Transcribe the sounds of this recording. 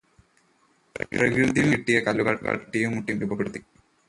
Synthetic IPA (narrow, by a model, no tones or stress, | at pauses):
prɐʋɾud̪imiʈːijɐkɐlːuɡɐkɐ̰ʈːijumːuʈːimɾubʱɐpːeɽut̪ːi